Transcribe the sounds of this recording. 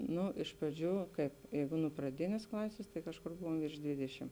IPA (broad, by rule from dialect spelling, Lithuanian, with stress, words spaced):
ˈnʊ ɪʃ prɐˈd͡ʒʲuː ˈkɐɪp ˈjɛɪɡʊ nʊ prɐˈdʲɪnʲeːs ˈklˠɑːsʲeːs tɐɪ ˈkɑːʃˌkʊr ˈbʊʋoːm ʋʲɪrʃ ˈdʲʋʲɪdʲɛʃʲɪm